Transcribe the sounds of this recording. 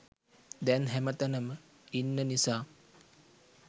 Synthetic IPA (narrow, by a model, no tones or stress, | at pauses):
d̪ɛnɦɛmət̪ənəmə | inːənisaː